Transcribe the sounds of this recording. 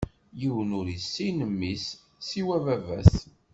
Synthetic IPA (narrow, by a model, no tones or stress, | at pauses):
jiwənuɾisːinəmːisː | iwævævæs